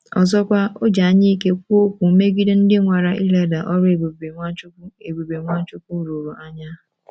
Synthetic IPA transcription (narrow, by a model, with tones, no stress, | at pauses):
ɔ̰˨zɔ˦kʷa˦o˦d͡ʒa˨a˦ɲi˦i˦ke˦kʷo˦kʷu˨˦me˦ɡi˦de˦n̩˦dɪ˦ŋʷa˨ɾa˨ʔi˦le˦da˨ʔɔ˦ɾbe˨be˨be˨ŋʷa˦t͡ʃʊ˦kʷu˦ɾo˨ɾo˨ʔa˦ɲa˦˨